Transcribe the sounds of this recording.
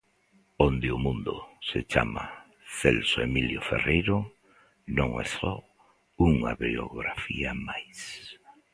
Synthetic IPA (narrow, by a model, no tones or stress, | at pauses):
ond̪ɪʊmũnd̪oset͡ʃama | θelsoemiljoferejɾo | nõŋḛsɔ | uŋa̰βeoɣɾafiamajs